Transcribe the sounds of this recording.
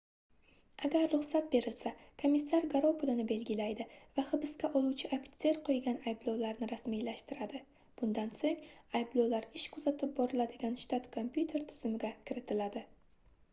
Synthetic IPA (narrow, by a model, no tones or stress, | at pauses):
aɡʲaɾːʊχsat̪̚be̞ɾɪlsakʰomisːaɾɡaɾopʊlˠɪnɪbe̞lɡʲɪlajd̪ɪvaχɨbɪskʲaʔɒlˠuwt͡ʃʰɪʔapʲt̪se̞ɾqʰojɡʲanajblˠɒwlaɾnɪɾasmijlaʃt̪ɪɾad̪ɪ | b̥ʊnd̪ansoŋajblˠowlaɾɪʃkʰʊzat̪ʰɪp̚bɒɾɪlad̪ɪɡʲanʃt̪at̪kʰompjut̪ʰe̞ɾt̪ʰɪ̥z̥ɪmɪɡʲakʲʰɪɾɪt̪ʰɪlad̪ɪ